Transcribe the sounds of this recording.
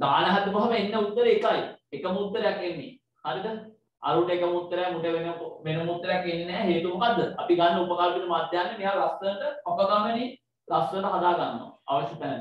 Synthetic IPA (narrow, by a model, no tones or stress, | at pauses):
ɡ̪aːnəɦat̪ːubɐɦɐʋəenːəut̪ːəɾəekajekəməut̪ːəɾejakːenːḛ | haɾid̪ə | ɐ̰ɾuʈəekəməut̪ːəɾajmuʈeʋeneʋenəmut̪ːəɾejakːenːenɛːɦeːt̪umukad̪ːəapiɡanːəupəkaːlpinəmad̪ːejanːemeɦaːɾasəʈəokəɡaməni | ɾasʋəʈəɦad̪aːɡanːo̰a̰ʋɐʃjɐt̪ɛnə